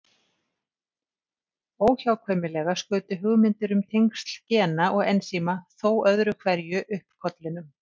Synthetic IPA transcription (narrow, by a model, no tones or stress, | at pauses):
oːwçawkʰvœmɪlɛːɣaskʏːt̪ʏɦʏɣmɪnt̪ɪɾʏmt̪ʰejŋkst̪l̥cɛːnaʔɔɣɛnsiːmaθoːwœðɾʏkʰvɛɾjʏʔʏhpkʰɔt̪lɪnʏm